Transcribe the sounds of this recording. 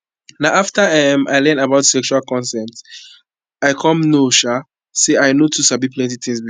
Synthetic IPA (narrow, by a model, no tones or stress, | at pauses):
naʊaftaɛma̰ɪlɛ̃ndabaʊtsɛkʃualkɔ̃nsɛt | aɪkʰɔ̃mnoʃa | seaɪnotʰusabipʰlɛ̃ntit̪ʰĩŋsb